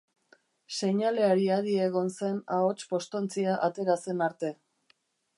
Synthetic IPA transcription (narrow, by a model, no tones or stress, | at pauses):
se̞ɲale̞aɾiaðieɣ̞o̞nse̞nao̞t͡ʃpo̞st̪ont͡siaʔat̪e̞ɾase̞naɾt̪e̞